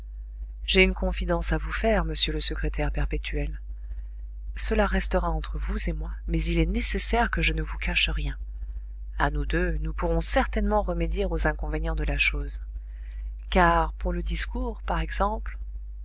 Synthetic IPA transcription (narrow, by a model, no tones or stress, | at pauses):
ʒ̥eynkɔ̃fid̪ɑ̃savufɛʁməsjøləsəkχet̪ɛʁpɛʁpet̪ʰyɛl | səlaʁɛst̪əʁaɑ̃t̪χəvuzemwamɛzilɛnesesɛʁkəʒənəvukʰaʃəʁjɛ̃ | anud̪ønupuʁɔ̃sɛʁt̪ɛnmɑ̃ʁəmed̪jiʁozɛ̃kɔ̃veɲɑ̃d̪əlaʃoz | kaʁpuʁləd̪iskuːʁpaʁɛɡz̥ɑ̃pl